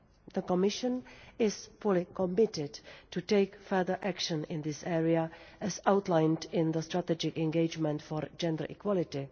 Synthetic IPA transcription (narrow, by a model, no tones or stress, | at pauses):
ðəkɔmɪʃə̃nɪz̥fʊlikɔ̃mɪtɪdtʰuteɪkfɜ˞ðə˞ʔækʃə̃nɪ̃nðɪsɛɹiaɨzaʊtˡlãɪ̃ndɪ̃nðəstɹ̥ətɛd͡ʒɪkɛ̃nɡeɪd͡ʒmə̃ntfɔɹd͡ʒɛ̃ndə˞ʔḭkʰwɔlɪti